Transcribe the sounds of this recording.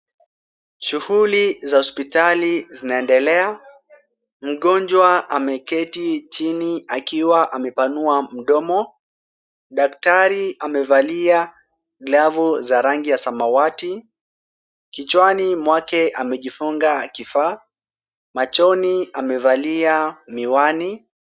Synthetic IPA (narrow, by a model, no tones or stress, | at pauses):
ʃuhulizahɔspitalizinaɛndɛlɛa | m̩ɠɔnd͡ʒwaamɛkɛtit͡ʃiniakiwaʔamɛpanuam̩ɗɔmɔ | ɗak̚taɾiamɛvalia | lavuzaɾaŋɡijasamawati | kit͡ʃwanimwakɛʔamɛʄifuŋɡakifaː | mat͡ʃɔniamɛvaliamiwani